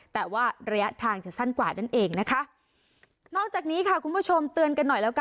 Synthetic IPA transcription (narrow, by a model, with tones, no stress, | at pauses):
t̪ɛː˨˩waː˥˩ɾa˧ja˦˥t̪ʰaː˧ŋt͡ɕa˨˩sa˥˩nkwaː˨˩na˥˩nʔeː˧ŋna˦˥kʰa˦˥ʔ | nɔː˥˩k̚t͡ɕaː˨˩k̚niː˦˥kʰa˥˩kʰu˧npʰu˦˥t͡ɕʰo˧mt̪ɯ˧ənka˧nːɔ˨˩jlɛː˦˥ka˧